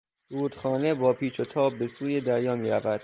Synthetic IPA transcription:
ɾuːd̪̥xɒːne̞bɒːpʰiːt͡ʃʰot̪ʰɒːb̚ːe̞suːjed̪æɾjɒːmiːɾæ̰væd̪̥

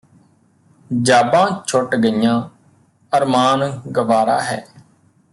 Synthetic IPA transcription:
d͡ʒaːbãːt͡ʃʰʊʈɡəjãː | əɾmaːnɡəʋaːɾa̰ːɦɛ̰ː

